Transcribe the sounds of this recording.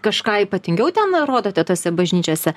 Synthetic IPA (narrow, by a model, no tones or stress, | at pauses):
kɐʃkɑːiːpɐt̪ʲɪŋʲɡʲɛʊt̪ʲɛnɾoːd̪oːt̪ʲɛt̪oːsʲɛbɐʒʲnʲiːt͡ʃʲoːsʲɛ